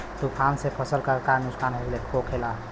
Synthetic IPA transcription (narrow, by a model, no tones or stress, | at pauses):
t̪ukʰansepʰəsəlkakanuksanɦoɡlekʰokʰela